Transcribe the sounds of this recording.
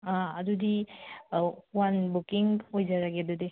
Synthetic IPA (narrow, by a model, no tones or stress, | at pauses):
aɐd̪udi | wanbukiŋojd͡ʒaɾaɡed̪ud̪i